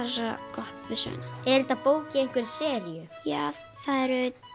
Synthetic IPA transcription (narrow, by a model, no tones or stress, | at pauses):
arakɔht̪vɪðsœ̰ːnaɛɾɪt̪aðpoːwcɪɛhkvɪɾ̥sɛːɾijʏjaː | θaðɛɾʏ